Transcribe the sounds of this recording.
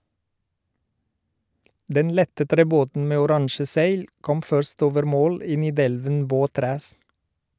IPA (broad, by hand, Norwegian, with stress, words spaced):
ˈdɛn ˈlɛtə tɾɛˈboːtn̩ ˈmeː ʊˈɾɑŋʃə ˈsæɪl ˈkɔm ˈfœɾst ˈoːʋəɾ ˈmoːl ˈiː nɪˈdɛlʋən ˈboːˌtɾæːs